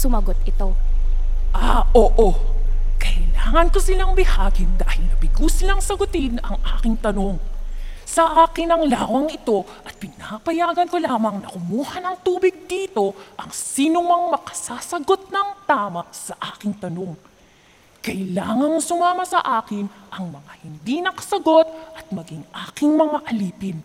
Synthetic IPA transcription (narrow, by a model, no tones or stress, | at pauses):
sʊmɐɡot̪ɪt̪o | ʔaʔoːʔokɐɪlaːŋɐnkosɪlaŋbɪhaːɡɪnd̪aːhɪlnɐbɪɡuslɐŋsɐɡʊt̪ɪnɐŋʔaːkɪŋt̪ɐno̞ŋsɐʔaːkɪnɐŋlaːwɐŋʔɪt̪o̞ʔɐt̪̚pɪnapɐjaːɡɐnkolaːmɐŋnɐkʊmuːhɐnɐŋt̪uːbɪɡ̚d̪iːt̪o̞ʔɐŋsiːnomɐŋmɐkɐ̥saːsɐɡo̞t̪̚nɐŋt̪aːmɐsɐʔaːkɪŋt̪ɐno̞ŋ | kɐɪlaːŋɐnsʊmaːmɐsɐʔaːkɪnʔɐŋmɐŋahɪnd̪inɐkɐ̥sɐɡo̞t̪̚ʔɐt̪̚mɐɡɪŋʔaːkɪŋmɐŋaʔɐliːpɪn